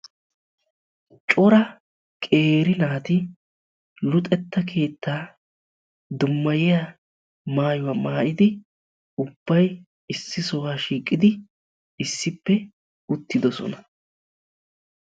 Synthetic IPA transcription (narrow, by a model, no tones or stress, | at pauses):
t͡ʃʼʊɾɐ | kʼe̞ːɾɪnaːt̪ɪ | lʊt̪ʼɛt̪ːɐkʰe̞ːt̪ːaː | d̪ʊmːɐjɪja | maːjʊwamaːʔɪd̪ɪ | ʊb̥ːɐj | ɪsːɪsɔwaːʃiːkʼːɪd̪ɪ | ɪsːɪpːɛ | ʊt̪ːɪd̪ɔsɔ̰nɐ